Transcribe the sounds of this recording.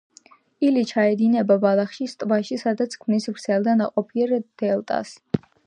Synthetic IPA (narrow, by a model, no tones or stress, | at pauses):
ilit͡ʃʰaɛd̪inɛbabalˠaχʃist̪ʼvaʃisad̪at̪sʰkʰmnisvɾd̪sʰɛlˠd̪anaqʼɔpʰiɾd̪̥ɛlˠt̪ʼa̰s